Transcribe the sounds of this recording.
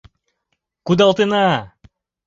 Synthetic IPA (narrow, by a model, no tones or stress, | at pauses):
kud̪alˠt̪ɯna